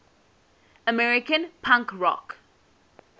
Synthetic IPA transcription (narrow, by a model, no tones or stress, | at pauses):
əmɛɹɪkə̃npʰãŋkɹɔ̰k